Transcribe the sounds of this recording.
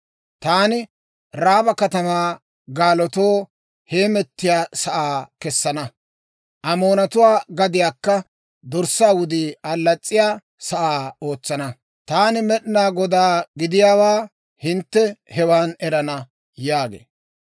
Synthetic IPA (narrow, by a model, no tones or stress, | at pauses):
t̪aːnɪ | ɾaːbɐkɐt̪ɐmaː | ɡaːlɔt̪o̞ː | heːmɛt̪ːɪjaːsɐʔaːkɛsːɐnɐ | ʔɐmoːnɐt̪ʊwaːɡɐd̪ɪjaːkːɐ | d̪ɔɾsaːwʊd̪iːɐlːɐt͡sʼːɪjaː | sɐʔaːo̞ːt͡sːɐnɐ | t̪aːnɪmɛɗnaːɡɔd̪aːɡɪd̪ɪjaːwaː | hɪnt̪ːɛhɛwaːnɛɾɐnɐ | jaːɡḛː